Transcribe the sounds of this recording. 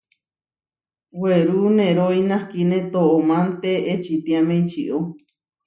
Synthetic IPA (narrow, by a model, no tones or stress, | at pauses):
weɾunẽɾoinãhkinẽt̪oomãnt̪eːt͡ʃit̪ĩamẽit͡ʃiʔo